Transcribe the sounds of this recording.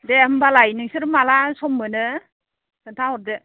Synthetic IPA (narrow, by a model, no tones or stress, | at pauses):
dembalajnɯŋsɯɾmalasɔmːɯnɯ | sɯntʰawɔɾdɯ